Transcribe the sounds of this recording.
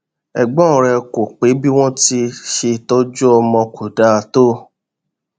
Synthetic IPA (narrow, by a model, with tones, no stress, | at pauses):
ɛ˧ɡ͡bɔ̃˦˨ɾɛ˧ko˨k͡pe˨˦bi˦w̃ɔ̃˦ti˧ʃe˧tɔ˦d͡ʒu˦ɔ˧mɔ̃˧kʰu˨da˦˧to˦˨